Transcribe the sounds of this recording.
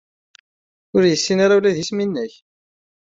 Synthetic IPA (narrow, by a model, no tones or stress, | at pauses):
ʊɾjəsːinaɾaulæðjisminːəç